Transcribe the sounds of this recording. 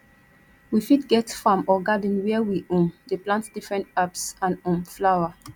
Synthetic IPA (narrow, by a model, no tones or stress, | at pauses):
wifitɡɛtfamɔɡadə̃nwɛəwiʔũmdeplãntd̥ifɹɛ̃ntapsãnũmflawa